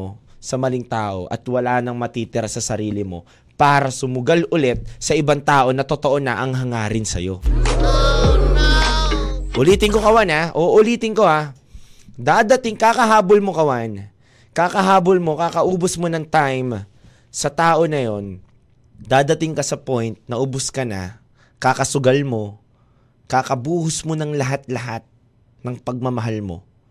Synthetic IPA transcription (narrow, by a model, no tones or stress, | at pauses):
sɐmɐlɪŋt̪aːʔo̞̰ʔɐ̰t̪wɐlaːnɐŋmɐt̪iːt̪ɪɾasɐsɐɾiːlɪmo̞̰ | paːɾɐsʊmʊɡalʔʊlɛt̪̚sɐʔɪbaŋt̪aːʔo̞nɐt̪ot̪o̞ʔonɐʔɐŋɦɐŋaːɾɪnsɐ̰jo̞̰ | ʔʊliːt̪ɪŋkokɐwanaʔoʔʊliːt̪ɪŋko̞ʔa | d̪aːd̪ɐt̪ɪŋkaːkɐɦaːbolmo̞kɐwan | kaːkɐɦaːbolmo̞kaːkɐʔuːbosmonɐŋt̪ajm | sɐt̪aːʔo̞nɐjo̞n | d̪aːd̪ɐt̪ɪŋkɐsɐpojnt̪̚nɐʔʊbʊskɐna̰ | kaːkɐsʊɡalmo̞ | kakɐbuːhʊsmonɐŋlɐɦat̪̚lɐɦat̪̚ | nɐŋpɐɡ̚mɐmɐɦalmo̞̰